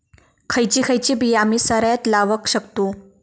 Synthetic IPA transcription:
kʰəjt͡ɕiːkʰəjt͡ɕiːbijamiːsəɾjat̪laʋəkɕəkt̪uː

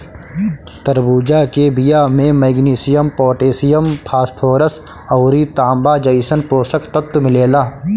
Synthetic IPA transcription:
t̪əɾbuːd͡ʒaːkebɪjaːmẽmeːɡniːsɪjəmpoːʈeːsɪjəmpʰaːspʰoːɾəs | ɐːɾit̪ãːmbaːd͡ʒəiːsənpoːsəkt̪ət̪ːmɪleːlaː

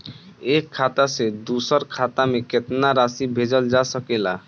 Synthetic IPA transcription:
ekʰːat̪ased̪usəɾkʰat̪ameket̪naɾasibʱed͡ʒəld͡ʒasəkela

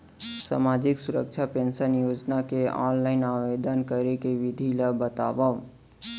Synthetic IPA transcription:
sa̰mad͡ʒiksuɾə̰k̚t͡ʃʰapensənjod͡ʒnakeɔ̰nlaɪnaʋed̪ənkəɾekeʋid̪ʱiləbət̪a̰ʋə

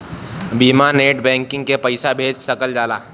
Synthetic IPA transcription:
biːmaneːʈbɛ̃ːŋkɪ̃ŋɡkepəɪsabʱeːd͡ʒsɐkəld͡ʒaːlaː

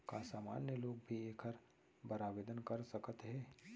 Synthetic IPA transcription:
kasaːma̰ːnjəloːɡ̚bʱieːkʰəɾ | bɐɾaːʋeːd̪ənkɐɾsɐkət̪ɦɛ̃ː

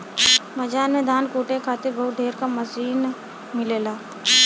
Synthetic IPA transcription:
mɐd͡ʒaːnmẽd̪ʱaːnkuːʈẽkʰaːt̪ebɐɦʊt̪̚ɖʱeːɾkamɐsiːn | mɪleːlaː

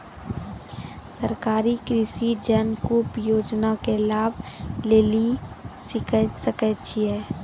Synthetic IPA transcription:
səɾkaːɾikɾisid͡ʒənkuːpjoːd͡ʒnakelaːbʱleːlisɪkəsəkət͡ʃʰiɛː

